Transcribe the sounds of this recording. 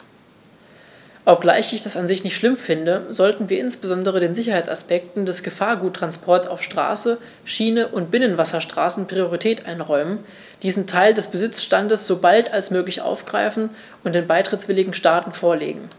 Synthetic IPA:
ʔɔp̚ɡ̥la̰ɪçɪçd̥asanzɪçnɪçtʃlɪmfɪndəzɔltn̩viːɐɪnsb̥əzɔndəʁ̞ədeːnzɪçɐhaɪt͡sa̰spɛk̚tn̩dɛsɡ̥əfaːɐɡuːtːʁ̥anspʰɔɐtsaʊfʃtʁ̥a̰ːsə | ʃiːnəʔʊnt̚b̥ɪnənvasɐʃtʁ̥a̰ːsn̩pʁ̥ioʁitʰɛːtʔaɪnʁɔʏmən | d̥iːsn̩tʰaɪldɛsb̥əzɪt͡sʃtandəsz̥oːbaltalsmøːklɪçʔa̰ʊfɡ̥ʁaɪfn̩ | ʊnt̚d̥eːnbaɪtʁ̥ɪt͡sv̥ɪlɪɡŋ̩ʃtaːtn̩foːɐlḛːɡŋ̩

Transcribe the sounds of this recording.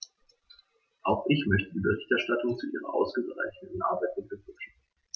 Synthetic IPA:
ʔaʊxʔɪçmœçtədiːbəʁɪçtɛɐʃtatʰʊŋt͡suʔiːʁɐ̰ʔa̰ʊsɡ̥əɡʁa̰ɪçnəən̩ʔa̰ɐbaɪt̚nɪəvɪkʃa

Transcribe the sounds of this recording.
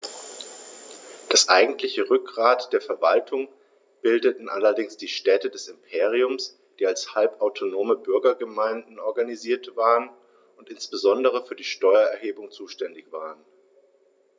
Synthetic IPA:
d̥asʔaɪɡŋ̩tʰlɪçəʁʏk̚ɡ̥ʁaːtd̥eːɐfɛɐva̰ltʰʊŋ | b̥ɪldətn̩ʔalɐdɪŋsd̥iːʃtɛːtədɛsɪmpʰeːʁiʊms | d̥iːalshalpʔaʊtʰonoːməbʏɐɡɐɡəmaɪndn̩ʔɔɐɡaniziːɐtv̥aːʁən | ʊntʔɪnsb̥əzɔndəʁ̞əfyːɐdiːʃtɔʏɐɛɐɦeːbʊŋt͡suːʃtɛndɪçv̥aːʁən

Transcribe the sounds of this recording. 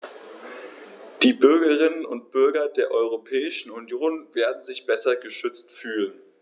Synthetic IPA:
d̥iːbʏɐɡɐʁɪnənʊ̰nt̚b̥ʏɐɡɐdeːɐʔɔʏʁ̞opʰɛːɪʃn̩unjoːnveːɐdn̩zɪçb̥ɛsɐɡəʃʏt͡stfyːlən

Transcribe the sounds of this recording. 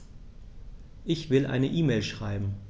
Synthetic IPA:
ʔɪçv̥ɪlʔa̰ɪnəʔiːmeːlʃʁ̥aɪbm̩

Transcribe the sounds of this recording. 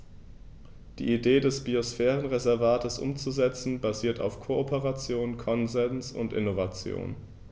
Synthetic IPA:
d̥ḭːʔideːdɛsb̥iosfɛːʁənʁezɛɐvaːtʰəsʔʊ̰mt͡suzɛt͡sn̩baziːɐtʰa̰ʊfkʰoʔopəʁat͡sjoːnkʰɔnzɛnsʊ̰ntʔɪ̰novat͡sjo̰ːn

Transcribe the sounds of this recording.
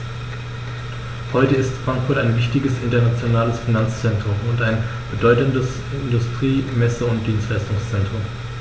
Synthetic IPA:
hɔʏtəɪstfʁ̥aŋkfʊɐtaɪnvɪçtɪɡəsʔɪntɐnat͡sjonaːləsfinant͡st͡sɛntʁ̥ʊmʊntaɪn | b̥ədɔʏtəndəs | ɪndʊstʁ̥iːmɛsəʊnt̚d̥iːnstlaɪstʊŋst͡sɛntʁ̥ʊm

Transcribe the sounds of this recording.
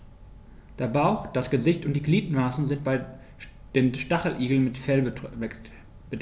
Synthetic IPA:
d̥eːɐbaʊxd̥asɡ̥əzɪçtʊntd̥iːɡliːtn̩maːsn̩zɪntb̥aɪ | d̥eːnʃtaχl̩ʔiːɡl̩nmɪtfɛl | b̥əd

